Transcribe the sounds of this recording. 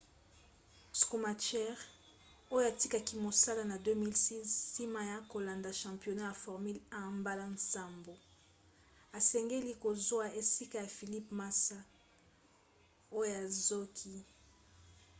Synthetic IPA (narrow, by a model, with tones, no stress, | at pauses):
sko˨ma˨t͡ʃɛ˦ʁ | o˦jo˦a˨ti˦ka˨ki˦mo˨sa˦la˦na˨dø˦mi˦lsi˦zsi˦ma˦ja˦ko˨la˨nda˨ʃɑ̃˨mpjo˨na˦ja˨fɔ˨ʁmy˦lã˦mba˦la˦nsa˨mbo˨ | a˨sɛ˨ŋɡe˦li˦ko˨zwa˦e˨si˦ka˦ja˨fi˨li˦pma˦sa˦ | o˦jo˦a˨zo˦kʰi˦